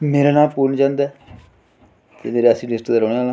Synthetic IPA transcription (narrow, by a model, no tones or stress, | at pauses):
meːɾeːnaːlpuːɾnd͡ʒãːnd̪ɛː | t̪eːmeːɾeəsĩːlɪsʈd̪aːɾoːɽeːaːlː